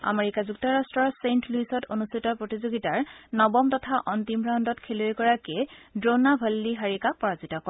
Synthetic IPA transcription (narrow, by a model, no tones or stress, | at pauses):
a̰meɹikazuk̚tɔɹastɹɔɹsentluisɔtonustʰitɔpɹotizoɡitaɹnɔbɔmtɔtʰaʔɔntimbɹandɔtkʰelojkɔɹakedɹonabʱalːiɦaɹikapɔɹazitɔkɔ